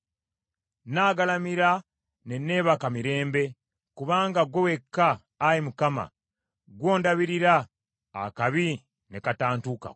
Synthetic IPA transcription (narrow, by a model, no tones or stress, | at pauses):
naːɡalamiɾa | nenːe̞ːβakamiɾe̞ːmbe̞ | kuβaːŋɡaɡowe̞kːaː | jimukama̰ | ɡwo̞ːndaβiɾiɾa̰ː | kaβi | nekataːntuka̰